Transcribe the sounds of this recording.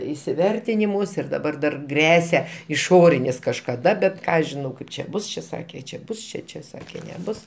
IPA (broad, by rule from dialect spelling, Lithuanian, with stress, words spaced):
ɪsʲɪˈʋʲɛrʲtʲɪnʲɪmʊs ɪr dɐˈbɐr dɐr ˈɡrʲæːsʲɛ ɪˈʃoːrʲɪnʲɪs kɐʃkɐˈdɐ bʲɛt ˈkɑː ɐʃ ʒʲɪˈnɐʊ ˈkɐɪp t͡ʃʲɛ ˈbʊs t͡ʃʲɛ ˈsɑːkʲeː t͡ʃʲɛ ˈbʊs ˈt͡ʃʲɛ ˈt͡ʃʲɛ ˈsɑːkʲeː nʲɛˈbʊs